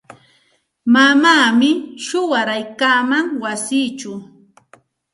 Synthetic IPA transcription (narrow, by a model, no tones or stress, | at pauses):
mamaːmɪʃʊwaɾajkaːmaŋwasiːt͡ʃʊ